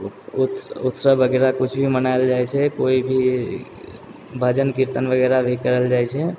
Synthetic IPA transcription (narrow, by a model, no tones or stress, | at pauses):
ut̪ut̪sɾəbʱəɡɛɾakut͡ʃʰbʱimənaeld͡ʒajt͡ʃʰɛkoibʱi | bʱəd͡ʒənkiɾt̪ənbʱəɡɛɾabʱikəɾəld͡ʒajt͡ʃʰɛ